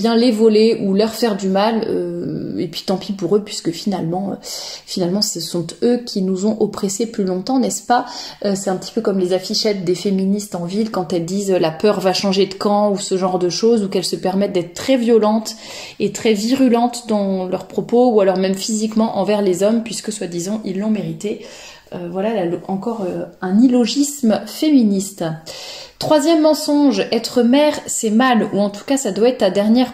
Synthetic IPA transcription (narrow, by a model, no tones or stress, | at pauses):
bjɛ̃levɔleʔulœʁfɛʁd̪ymalø̰epɥi̥t̪ɑ̃pipuʁøpɥiskəfinalmɑ̃ø̰finalmɑ̃səsɔ̃t̪økʲinuzɔ̃ʔɔpχeseplylɔ̃t̪ɑ̃nɛspaøsɛt̪ɛ̃pət̪i̥pøkɔmlezafiʃɛt̪̚d̪efeminist̪ɑ̃vilkɑ̃t̪ɛld̪izølapœʁvaʃɑ̃ʒed̪əkɑ̃usəʒɑ̃ʁd̪əʃozukɛlsəpɛʁmɛt̪̚d̪ɛt̪χət̪χɛvjɔlɑ̃t̪ | et̪χɛviʁylɑ̃t̪d̪ɑ̃lœʁpχɔpoualɔʁmɛmfizikmɑ̃ʔɑ̃vɛʁlezɔmpɥiskəswad̪izɔ̃ʔilːɔ̃meʁit̪e | øvwalalalɑ̃kɔʁøɛ̃nilɔʒismfeminist̪ | t̪χwazjɛmːɑ̃sɔ̃ʒɛt̪χəmɛʁsɛmaluɑ̃t̪u̥kasad̪waɛt̪ad̪ɛʁnjɛʁ